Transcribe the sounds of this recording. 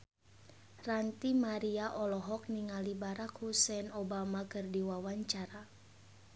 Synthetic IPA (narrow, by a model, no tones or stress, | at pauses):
rant̪imaɾiaʔɔlɔɦɔk̚niŋalibaɾakhusɛnobamakɨrdiwawaɲt͡ʃaɾa